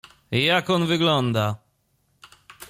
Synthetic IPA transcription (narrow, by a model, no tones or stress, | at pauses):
jakɔnvɘɡlɔnd̪a